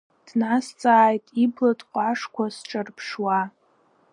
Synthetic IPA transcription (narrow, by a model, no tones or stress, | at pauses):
d̥nast͡sʼaːjtʼiblatʼqʷʼaʂkʷʰasʈ͡ʂʼarpʰʂwa